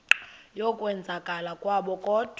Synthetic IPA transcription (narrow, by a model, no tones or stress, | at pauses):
jɔkʼwɛnd͡zʱakʼalakʼwaɓɔkʼɔːd̥ʱ